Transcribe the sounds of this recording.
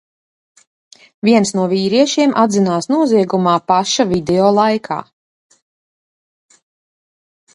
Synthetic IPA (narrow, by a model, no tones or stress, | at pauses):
viɛnsnuɔviːɾiɛʃiɛmʔad̪zinaːsnuɔziɛɡumaːpaʃavid̪ɛɔːlˠajkʰa̰ː